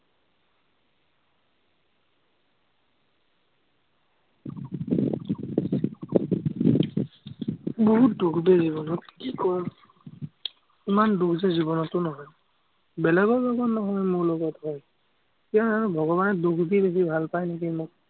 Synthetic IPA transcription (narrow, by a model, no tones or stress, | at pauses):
bɔɦut̚dukbezibɔnɔtkikɔɹ | imandukʰzɛzibɔnɔtːʊnɔɦɔj | bɛlɛɡɔɹlɔɡɔtnɔɦɔjmuɹlɔɡɔthɔj | kiaaɹubʱɔɡɔbanɔdukʰbibesibʱalpajnekimʊk̚